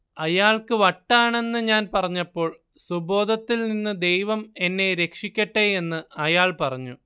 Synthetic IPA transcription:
ɐjaːɭkɨʋɐʈːaːɳe̞nːɨɲaːnpɐrɐɲːɐpːo̞ːɭ | subo̞ːd̪ʱɐt̪ːilninːɨd̪e̞jʋɐme̞nːe̞ɾe̞kʂikʲːɐʈːee̞nːɨɐjaːɭpɐrɐɲːu

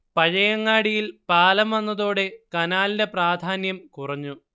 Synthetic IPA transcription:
pɐɻɐjɐŋːaːɽijilpaːlɐmʋɐnːɐðoːɽe̞kɐnaːlinde̞praːd̪ʱaːnjɐmkurɐɲːu

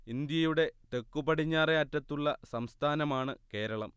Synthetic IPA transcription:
ind̪jɐjuɽe̞t̪e̞kːubɐɽiɲːaːreːtːɐt̪ːuɭːɐsɐmst̪ʰaːnɐmaːɳɨke̞ːɾɐɭɐm

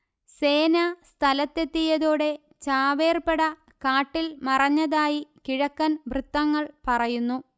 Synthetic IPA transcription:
se̞ːnɐst̪ʰɐlɐt̪ːe̞t̪ːijɐðoːɽe̞ | t͡ɕaːʋe̞ːrpeɽɐ | kaːʈːilmɐrɐɲːɐðaːjikiɻɐkːɐnʋrɨt̪ːɐŋːɐɭpɐrɐjunːu

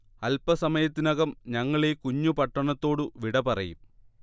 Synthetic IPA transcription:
ɐlpɐsɐmɐjɐt̪ːinɐɣɐmɲɐŋːɐɭekuɲːupɐʈːɐɳɐt̪ːo̞ːɽɨʋiɽɐpɐrɐ̰jum

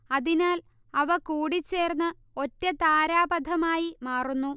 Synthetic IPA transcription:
ɐðinaːl | ɐʋɐkuːɽit͡ɕːe̞ːrnːɨ | o̞tːɐt̪aːɾaːbɐd̪ʱɐmaːjimaːrunːu

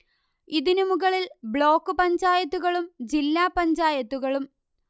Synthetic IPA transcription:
iðinumuɣɐɭilbɭo̞ːkːɨpɐɲd͡ʑaːjɐt̪ːuɣɐɭumd͡ʑilːaːpɐɲd͡ʑaːjɐt̪ːuɣɐɭum

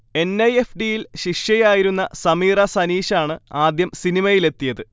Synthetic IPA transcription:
e̞nːɐje̞fɖijilɕiʂjɐjaːjiɾunːɐsɐmiːrɐsɐniːɕaːɳɨaːd̪jɐmsinimɐjile̞t̪ːijɐðɨ

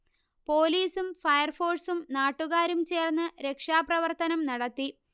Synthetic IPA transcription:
po̞ːliːsumfɐjɐrfo̞ːrsumnaːʈːuɣaːɾumt͡ɕe̞ːrnːɨɾe̞kʂaːprɐʋɐrt̪ɐnɐmnɐɽɐt̪ːi

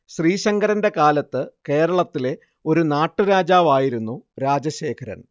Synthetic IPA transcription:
ɕriːɕɐŋɡɐɾɐnde̞kaːlɐt̪ːɨke̞ːɾɐɭɐt̪ːile̞ | o̞ɾunaːʈːuɾaːd͡ʑaːʋaːjiɾunːuɾaːd͡ʑɐɕe̞ːkʰɐɾɐ̰n

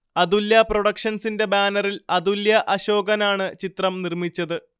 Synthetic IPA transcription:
ɐd̪uljɐproɽɐkʂɐnsinde̞baːnɐrilɐd̪uljɐʔɐɕo̞ːɡɐnaːɳɨt͡ɕit̪rɐmnirmit͡ɕːɐðɨ

